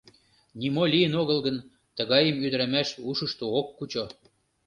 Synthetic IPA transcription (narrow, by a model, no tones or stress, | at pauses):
nimolʲijənoɣə̆lɣən | t̪əɣɑjəmyd̪əɾæmæʃuʃə̆ʃt̪ookːut͡ɕo